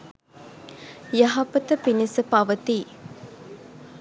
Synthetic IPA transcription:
jaɦɐpət̪əpinisəpaʋət̪iː

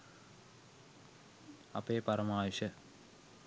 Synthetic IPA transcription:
ɐ̰peːpɐɾɐmaːʋɐɕɐ

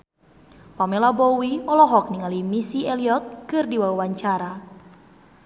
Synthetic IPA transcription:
pamelabowiɔlɔɦɔk̚niŋalimisieliɔt̪̚kɨrdiwawawaɲt͡ʃaɾa

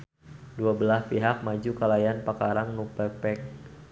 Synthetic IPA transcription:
duabəlaspiɦak̚mad͡ʒukalajanpakaɾaŋnupɛpɛk̚

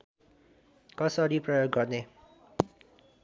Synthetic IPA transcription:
kʌsʌɾiprʌjoɡ̚ɡʌrne

